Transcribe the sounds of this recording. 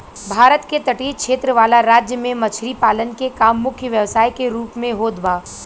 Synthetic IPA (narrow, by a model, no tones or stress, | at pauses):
bʱaːɾət̪ket̪ɐʈiːkʃeːt̪ɾəʋaːlaɾaːd͡ʒjəmẽmɐt͡ʃʰɾipaːlənkekaːmːʊkʰjəʋjɐʋsaːjkeɾuːpmẽɦoːd̪ʋaː